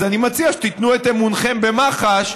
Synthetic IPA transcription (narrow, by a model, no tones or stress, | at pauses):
animat͡siaʃe̥t̪it̪nuet̪emunχe̞mbe̞maχaʃ